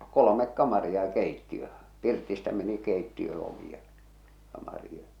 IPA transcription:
kolomek kɑmɑriɑ j̆ɑ̆ keitːiø pirtistæ meni keitːiø oʋi jɑ kɑmɑri jɑ

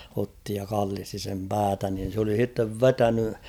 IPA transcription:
otːi jɑ kɑlːisti sem pæːtæ nin̞ s oli sitːeʋ ʋetæny

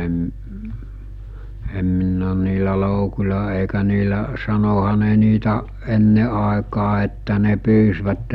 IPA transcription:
em m em minː oːn niːlæ loukulʲɑ eˑikæ niːlæ sɑnohɑ ne niːtæ enːe ʔɑekɑː etːæ ne pyːsʋætːe

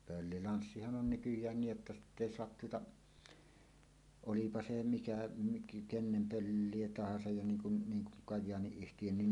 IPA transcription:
pølːilɑnsːihɑn on nykyjˑæːn niːj jotːɑ sitː eˑi soɑt tuotɑ olipɑ se mikæ mik kenːem pølːie tɑhɑsɑj jɑ niːŋ kun niːŋ kuŋ kɑjˑɑːniyhtijønːin

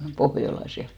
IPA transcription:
pohjolɑs jɑ

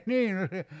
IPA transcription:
niː no se

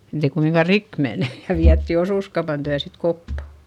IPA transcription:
etei kumiŋkɑ rik mene jɑ ʋiætːi osuˑskɑupɑn tyæ sit kopːɑ

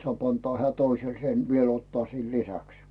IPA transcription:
soɑˑp ɑntoɑ heæˑ toisel sen ʋiel otːŏɑˑ siːl lisæks

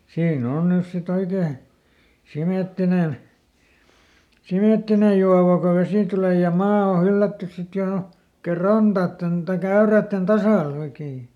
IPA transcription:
siːn on nys sit oikeː simeˑtːinen simeˑtːinej̆ juɑʋɑ ko ʋesi tuleˑ jɑ mɑː o hylːætːys sit joˑ oikeː rɑntɑːtːen tɑik æyræˑtːen tɑsɑˑl oikeː

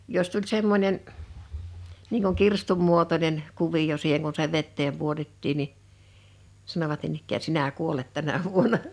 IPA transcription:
jos tulʲ semːonʲen niːŋ kuŋ kirstum muotonen kuʋij̆o siːheŋ kun se ʋetːeːm puotetːiːn ni sɑnoʋɑt niːn ikːæː sinæ kuolet tænæ ʋuonɑ

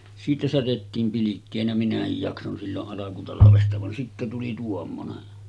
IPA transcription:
siːtæ særetːiːm pilikːeːnæ minæhij jɑkson silːoʔ ʔɑlɑkutɑlɑʋestɑ ʋɑn sitːæ tuli tuomːonen

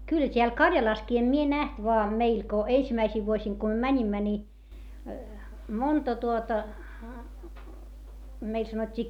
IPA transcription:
kylh̆æ̆ tʲeæl kɑrjɑlɑskiː em mie næht ʋoɑ meil ko eisimæisiʋ ʋuosiŋ ko m̆y̆ø̆ mænʲimːæ ni montɑ tuotɑ meil sɑnotʲːiː

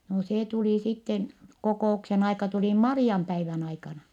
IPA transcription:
no seː tuliˑ sitːen kokoˑuksen ɑikɑ tuliˑ mɑriɑmpæiʋæn ɑikɑnɑ

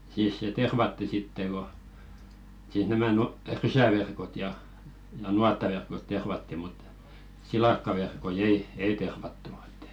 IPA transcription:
siːs se terʋɑtːi sitːe ko siːs næmæ nutɑĭ rysæʋerkot jɑ jɑ nuɑtːɑʋerkot terʋɑtːi mut silɑkːɑʋerkoi ei ei terʋɑtːu e̥tːæ̥

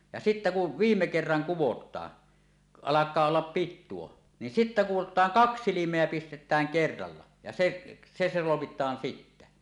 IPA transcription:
jɑ sitːæ ku ʋiːmːe kerːɑŋ kuwotˑɑː ɑlɑkˑɑː olːɑp pitːuo ni sitːæ kuwotˑɑːŋ kɑks silimˑeæ pistetˑæːŋ kerːɑlːɑ jɑ seʔ se solomitˑɑːn sitːæ

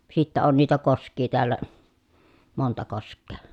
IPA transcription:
sitːæ on niːtæ koskˑiː teælːæ montɑ koskˑeː

